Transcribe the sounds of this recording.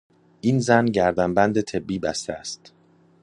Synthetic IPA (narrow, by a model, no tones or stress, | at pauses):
ʔiːnzænɟæɾd̪æmbænd̪e̞t̪ʰe̞bːiːbæst̪ʰeæst̪